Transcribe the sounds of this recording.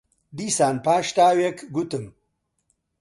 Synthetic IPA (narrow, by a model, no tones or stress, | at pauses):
d̪iːsaːnpaːʂt̪aːwekɡut̪əm